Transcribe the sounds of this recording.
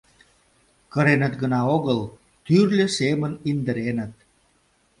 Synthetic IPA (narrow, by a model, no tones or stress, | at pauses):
kəɾenət̪ɡənɑoɣəl | t̪yrlʲə̆semənind̪əɾenə̆t̪̚